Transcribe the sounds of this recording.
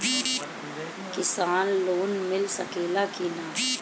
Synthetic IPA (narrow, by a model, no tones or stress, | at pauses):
kɪsaːnloːnmɪlsɐ̰keːlakiːnaː